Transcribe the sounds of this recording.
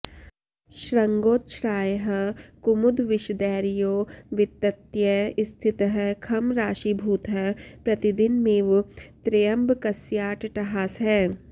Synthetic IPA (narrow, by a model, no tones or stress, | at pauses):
ʃɾɐŋɡoːt̪ʃɾaːjɦɐkumud̪ʋɪʃd̪ɛːɾijoːʋɪt̪ːɐt̪jɐɪst̪ʰɪt̪ɦɐkʰɐmɾaːʃibʱuːt̪ɦɐpɾɐt̪id̪ɪnmeːʋt̪ɾejɐmbkɐsjaːʈʈɐɦaːsɦɛː